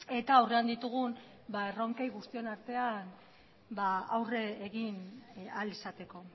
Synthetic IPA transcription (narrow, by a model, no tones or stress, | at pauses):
e̞t̪aːwre̞and̪it̪uɣ̞un | baero̞ŋkejɣust̪ie̞naɾt̪e̞an | baawreːɣinalisat̪e̞ko̞